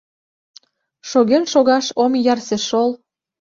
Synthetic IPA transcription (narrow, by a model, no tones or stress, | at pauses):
ʃoɣenʃoɣɑʃomjɑrseʃol